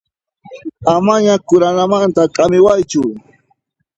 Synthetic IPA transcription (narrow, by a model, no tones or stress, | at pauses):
amaɲakʊɾanamant̪akʼamɪwajt͡ʃʊ